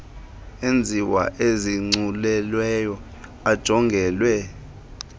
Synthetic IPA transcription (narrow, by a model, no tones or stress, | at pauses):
end͡zʱiwa̰ʔeziŋ͡ǀulɛlwɛjɔ | ad̥ʒ̥ʱɔŋɡʱɛːlwɛ